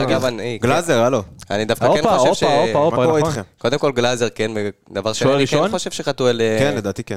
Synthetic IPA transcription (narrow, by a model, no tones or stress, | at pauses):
aɡavaniɡlazeʁaloa̰nid̪afkkaoenoʃevʃoaomaotemko̞d̪emko̞lɡlazeʁkenbed̪avaʁʃeoiknχoʃev̥ʃeχat̪uelekenled̪aːt̪iken